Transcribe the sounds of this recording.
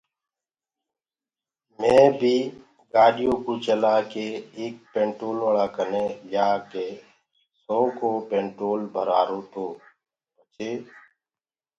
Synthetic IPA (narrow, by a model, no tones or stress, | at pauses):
mẽːbʱiː | ɡaːɖijõkot͡ʃəlaːkeːk̚pẽːɳʈɾoːlʋəɭaːkəned͡ʒaːke | soːkoːpẽːɳʈɾoːlbʱəɾaːɾõːt̪oː | bət͡ʃeː